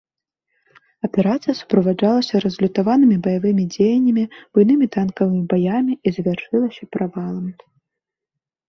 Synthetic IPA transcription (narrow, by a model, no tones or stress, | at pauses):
ɐpʲɛɾat̪sɨjɐsu̥pɾɐvad͡ʐalˠɐsʲɐɾɐzlʲut̪avanɨmʲibɐjavɨmʲid͡zʲejɐnʲːɐmʲib̥ujnɨmʲit̪ankɐvɨmʲibajamʲiizvʲarʂɨlˠɐsʲɐpɾavalˠɐm